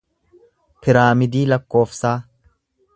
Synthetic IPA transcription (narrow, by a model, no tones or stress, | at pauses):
pɪɾaːmɪd̪iːlɐkːo̞ːfsaː